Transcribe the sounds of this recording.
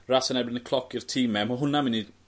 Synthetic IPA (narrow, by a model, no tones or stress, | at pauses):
rasənɛbɪnəkʰl̥ˠɔkirtʰiːmɛmaɦʊnamɪni